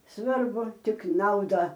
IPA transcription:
ˈsʋɐrbʊ ˈtʲɪk ˈnɐʊdɐ

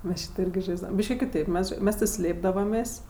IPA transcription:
ˈmʲɛs ˈʃʲiːtoː ˈɪrʲɡʲɪ ˈʒɐɪzdɐʋɐm ˈbʲiːʃʲkʲɪ kʲɪˈtɐɪp ˈmʲɛs ˈmʲɛs tʲɪ ˈsʲlʲeːbdɐʋɐmʲeːsʲ

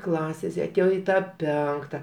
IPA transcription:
ˈklˠɑːsʲeːs ɪ ɐˈtʲeːjoː ɪ ˈtɑː ˈpʲɛŋktɐ

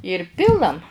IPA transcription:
ɪr ˈpʲɪlˠɐm

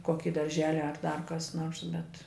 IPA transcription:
ˈkoːkʲɪ dɐrʲˈʒʲæːlʲɪ ɐr dɐr ˈkɐs ˈnoːrs bʲɛt

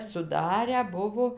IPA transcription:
sʊˈdɑːrʲæː ˈbʊʋoː

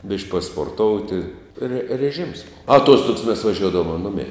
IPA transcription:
bʲɪʃʲkʲ pɐspoːrˈtoːʊtʲɪ rʲɛ rʲɛˈʒʲɪms ˈboːw ɐˈtuɔstʊks mʲɛs ʋɐˈʒʲuɔdɐʋoːmɐ ˈnʊmʲɛɪ

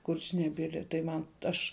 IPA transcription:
ˈkʊrʲt͡ʃʲnʲɛbʲɪlʲɪ tɐɪ ˈmɐn ˈɐʃ

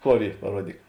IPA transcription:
ˈkoːr ˈiː pɐˈruɔdʲiːk

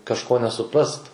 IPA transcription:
kɐʃˈkoː nʲɛsʊˈprɐst

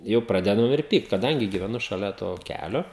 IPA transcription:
ˈjɛʊ ˈprɑːdʲɛdɐm ɪr ˈpʲiːkt kɐˈdɐŋʲɡʲɪ ɡʲiːʋʲɛˈnʊ ʃɐˈlʲɛ toː ˈkʲælʲoː

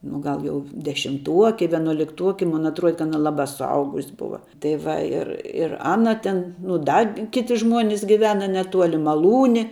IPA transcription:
nʊ ˈɡɐlˠ ˈjɛʊ dʲɛʃʲɪmˈtuɔkʲɪ ʋʲiɛnuɔlʲɪkˈtuɔkʲɪ ˈmʊn ɐtˈruɔdʲɛ kɐ ˈɑːnɐ ˈlˠɑːbɐ sʊˈɐʊɡʊsʲ ˈbʊʋɐ tɐɪ ˈʋɐ ˈɪr ɪr ˈɑːnɐ tʲɪn nʊ ˈdɐ ˈkʲɪtʲɪ ˈʒmuɔnʲɪs ɡʲɪˈʋʲæːnɐ nʲɛˈtuɔlʲɪ mɐˈlˠuːnʲɪ

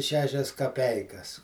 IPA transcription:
ˈʃʲæːʃʲɛs kɐˈpʲɛɪkɐs

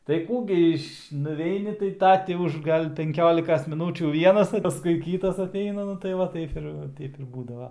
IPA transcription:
tɐɪ ˈkuː ɡʲɪ ɪʃ nʊˈʋʲɛɪnʲɪ tɐɪ ˈtɐ tʲɪ ˈʊʃ ˈɡɐlʲ pʲɛŋʲˈkʲoːlʲɪkɐs mʲɪˈnuːt͡ʃʲuː ˈʋʲiɛnɐs pɐsˈkʊɪ ˈkʲiːtɐs ɐˈtʲɛɪnɐ ˈnʊ tɐɪ ˈʋɐ ˈtɐɪp ɪr ˈtʲɛɪp ˈbuːdɐʋɐ

